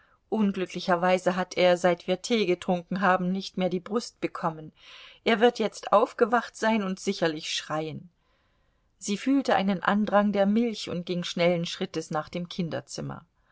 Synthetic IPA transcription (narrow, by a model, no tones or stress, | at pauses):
ʔʊnɡlʏklɪçɐvaɪzəɦatʰeːɐzaɪtv̥iːɐtʰeːɡətʁ̥ʊŋkŋ̩ɦaːbm̩nɪçtmeːɐdiːbʁʊst̚b̥əkʰɔmənʔeːɐvɪɐtjɛt͡stʔaʊfɡ̥əvaχtz̥aɪnʊntz̥ɪçɐlɪçʃʁ̥aɪən | ziːfyːltəʔa̰ɪnənʔa̰ndʁaŋdeːɐmɪlçʊ̰nt̚ɡ̥ɪŋʃnɛlən̩ʃʁ̥ɪtəsnaːχd̥eːmkʰɪndɐ̰t͡sɪmɐ̰